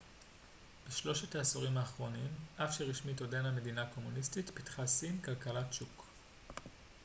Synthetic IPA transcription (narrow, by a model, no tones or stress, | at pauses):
b̥eʃlo̞ʃetaːsoʁimaːχʁo̞nimʔafʃeʁiʃmito̞dename̞dinako̞munistitpitχasinkalkalatʃuk